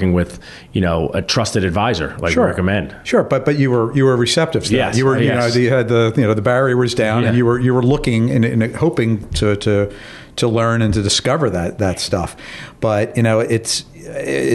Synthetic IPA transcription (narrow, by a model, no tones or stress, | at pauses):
ɪ̃ŋwɪð | jɨnoʊɨ̰tʰɹ̥ʌstɨɾɨdvaɪzə̰˞la̰ɪʃʊɹɛkəmɛ̃nd̥ʃʊɹb̥ʌt̚b̥ʌt͡ʃɨwə˞jɨwə˞ɹɨsɛp̚tɨv̥sðæɛjɨwə˞ɨnoʊðɨɨd̪̚ðɨjɨnoʊðəbæɹiwʌzdãʊ̃nɨnjɨwə˞jɨwə˞lʊkɪ̃ŋɪ̃nɪ̰̃nhoʊpɪ̃ŋtʰɨɾɨ | ɾʰəlɜ̃˞nɨ̃ntʰɨdɨskʌvə˞ðɨt̪̚ðɨtstʌfb̥ʌtjɨñoʊʔɪts